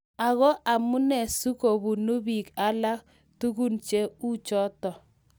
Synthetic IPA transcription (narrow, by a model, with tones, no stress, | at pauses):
a˨ɣɔ˦ʔa˨mʊ˦nɛ˨su˦ko˨bu˨nu˦bi˨ka˦la˦k | tu˦ɣu˦nt͡ʃe˦u˦t͡ʃɔ˦tɔ˨